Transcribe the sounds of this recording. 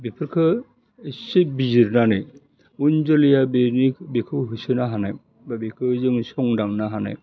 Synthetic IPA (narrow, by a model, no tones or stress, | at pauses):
bipʰɯɾkʰɯ | sibiziɾnanɯj | und͡ʒɔlijabenik̚bikʰɯɦusɯnaɦanaj | babikʰɯzɯŋsɔŋdaŋnaɦana̰j